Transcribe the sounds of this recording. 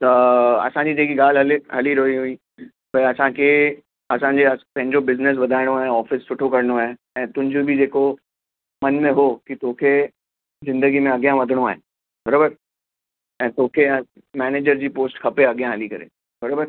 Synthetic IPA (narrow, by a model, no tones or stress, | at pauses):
t̪ɐɐ̰sãd͡ʑit̪ekiɡaːlɦɐlɦɐliɾoiɦui | pɐɐsãkʰe | ɐsãɲd͡ʑeɐpɐ̃ɦɪ̃ɲd͡ʑobɪznɪs̬ʋɐd̪ʱaːɪɽ̃oaːɦẽɔːfɪssʊʈʰokɐɾñoaːɦe | ɛ̃ːt̪ʊ̃ɦɪ̃ɲd͡ʑobʱid͡ʑeːko | mɐnmẽɦokit̪oːkʰe | zɪ̃nd̪əɡimẽɐɡijãʋɐd̪ʱəɽ̃oaːɦe | bʱɐɾoːbəɾ | ɛ̃ːt̪oːkʰe | mɛːneːd͡ʑəɾd͡ʑiːpoːsʈkʰɐpeɐɡjãɦɐlikɐɾḛː | bʱɐɾoːbəɾ